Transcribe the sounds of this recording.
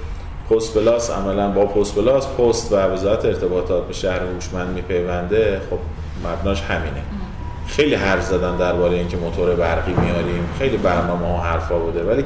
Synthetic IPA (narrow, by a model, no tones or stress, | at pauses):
pʰost̪̚belɒːsæ̰mælænbɒːpʰost̪pe̞lɒːspʰost̪væve̞zɒːjæt̪ʰeːɾt̪ʰe̞bɒːt̪ʰɒːt̪̚be̞ʃæhɾehuʃmænd̪miːpʰe̞jvænd̪e̞xob̥̚ | mæbnɒːʃhæmiːne | xe̞jliːɦæɾfzæd̪ænd̪æɾbɒːɾejeiːŋcʰe̞mot̪ʰoɾebæɾɣiːmijɒːɾiːmxe̞jliːbæɾnɒːmehɒːɦæɾfɒːbuːd̪e̞væliː